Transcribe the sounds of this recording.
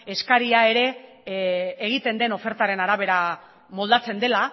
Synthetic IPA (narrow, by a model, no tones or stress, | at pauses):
e̞skaɾiae̞ɾe̞ | ɣ̞it̪e̞nd̪e̞no̞fe̞ɾt̪aɾe̞naɾaβ̞e̞ɾa | mo̞ld̪at͡se̞nd̪e̞la